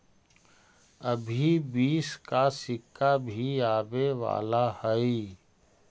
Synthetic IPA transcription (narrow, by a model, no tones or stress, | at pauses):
əbʱibiːskasɪkʰːabʱiaːbeʋa̰ːlahəi